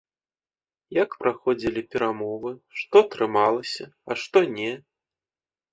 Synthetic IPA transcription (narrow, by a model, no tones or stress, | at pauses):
jakpɾaxɔd͡zʲilʲipʲɛɾamɔvɨʂt̪ɔt̪ɾɨmalˠɐsʲɐɐʂt̪ɔnʲɛ